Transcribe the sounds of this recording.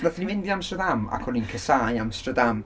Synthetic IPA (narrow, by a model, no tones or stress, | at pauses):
naθənimɪndiamstədama̰kʰɔlˠinkʰəsajamstədam